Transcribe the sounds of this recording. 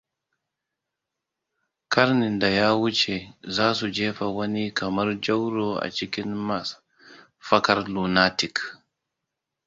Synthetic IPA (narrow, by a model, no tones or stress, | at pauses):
kaɾnindajaːwut͡ʃɛzaːsud͡ʒɛːfawɐnikʰamaɾd͡ʒawɾɔa̰t͡ʃikinmas | fɐkaɾlunatik